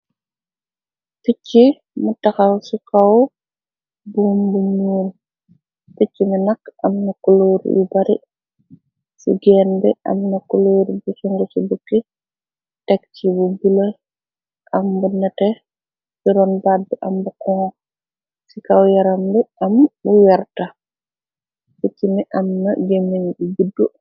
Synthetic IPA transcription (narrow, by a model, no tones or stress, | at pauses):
ficːi | mutɐxɐwsikaw | buːmbuɲuːl | ticːimɛnɐkɐmnɐkuloːɾjṵbɐɾḭ | sḭɡɛːnbɛ̰ʔɐ̰mnɐkuloːɾbusuŋɡusubukːi | tɛkt͡ʃibubilɔj | ʔambɔnatɛ | biɾɔnbadːɛʔambukɔŋ | sikawjaɾambɛʔambuwɛɾta | tet͡ʃːimɛʔamnaɡemːeɲɗubidːu